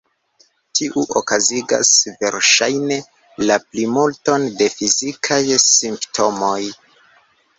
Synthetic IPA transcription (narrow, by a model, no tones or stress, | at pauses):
tʰiʔuʔokaziɡa̰sve̞ɾʃajne̞ | laplimulto̞nde̞fizikʰajsimptʰo̞mo̞j